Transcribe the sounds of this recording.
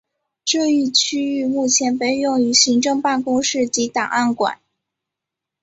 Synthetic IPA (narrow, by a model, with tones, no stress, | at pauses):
ʈ͡ʂɤ˥˧y˥˩t͡ɕʰy˥y˥˧mu˥˩t͡ɕʰjɛ˧˥npe˥˧ɪjʊ˥˩ŋy˧˥ɕi˧˥ŋʈ͡ʂɤ˥˧ŋpa˥˩nkʊ˥ŋʂɻ̩˥˩t͡ɕi˧˥t̪ɑ˨˩ŋʔa˥˩nkwa̰˨˩˦n